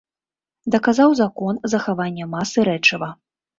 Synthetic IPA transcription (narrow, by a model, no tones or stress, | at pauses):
d̪ɐkazawzakɔnzɐxavanʲːɛmasɨɾɛt͡ʂɐvɐ